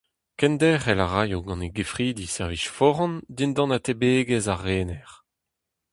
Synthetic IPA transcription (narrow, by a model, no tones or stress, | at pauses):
kɛnd̪ɛʁɛlaʁajoɡɑ̃neɡefʁiːd̪isɛʁviʃfɔʁɑ̃nd̪ind̪ɑ̃nat̪ebeːɡɛzaʁːeːnɛʁ